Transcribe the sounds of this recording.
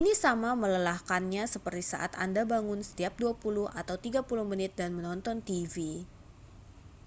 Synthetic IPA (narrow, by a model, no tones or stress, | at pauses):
inisamamələlahkanɲasəpərt̪isa̰ʔa̰t̪a̰ndabaŋʊnsə̥t̪iap̚duapulʊhʔat̪awt̪iɡapulʊhmənɪt̪̚danmənɔnt̪ɔnt̪ivi